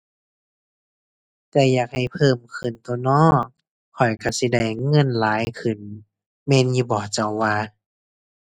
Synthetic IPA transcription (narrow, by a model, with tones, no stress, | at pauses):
t̪ɛː˧jaː˨˩k̚ha˨˩jpʰɤː˧˥˨mkʰɯ˨˩nt̪o˧˦nɔː˧˥˨k̚ | kʰːɔ˨˩jka˧˩si˧˦da˧˩jːɤ˧˥˨nlaː˨˦jkʰɯ˧˩n | mɛː˧˨njuː˧bɔː˨˩t͡ɕa˧˩wwaː˧